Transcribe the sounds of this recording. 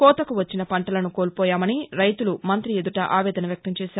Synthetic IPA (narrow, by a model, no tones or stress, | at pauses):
kɔːt̪ɐkuʋɐt͡ʃːinɐpɐɳʈɐlɐnukoːlpɔːjaːmɐniɾɐjt̪ulumɐnt̪ɾied̪uʈɐʔaːʋɛːd̪ɐnɐʋjɐk̚t̪ɐmt͡ʃɛːʃaːɾ